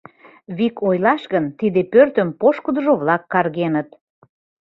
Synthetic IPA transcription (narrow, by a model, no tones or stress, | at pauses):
βikʰojlɑʃɣənt̪id̪epørt̪ə̆mpoʃkud̪ə̆ʒoβlɑkːɑrɣenət̪